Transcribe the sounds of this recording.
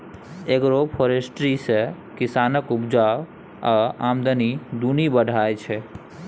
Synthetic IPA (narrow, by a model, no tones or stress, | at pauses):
ekɾopʰoɾesʈɾise | kisanəkupd͡ʒa | aamd̪ənid̪unibəɖʱajt͡ʃʰɛ